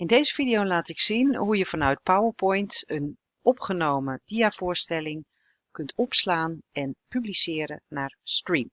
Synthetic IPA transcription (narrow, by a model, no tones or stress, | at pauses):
ɪndejzəfidijolaːtɪksinɦujəfanœɥt̚pawəɹpɔjntən | ɔpχənowmədiafʊːɹstɛlɪŋ | kɵntʰɔpslaːnɛnpyblisɪːɾənaːɹstrim